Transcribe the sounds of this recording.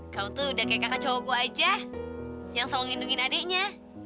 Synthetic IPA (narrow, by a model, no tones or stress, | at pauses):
kaut̪udakajkakat͡ʃoɡoad͡ʒa | jaŋsalɔŋinduŋinadɛʔɲa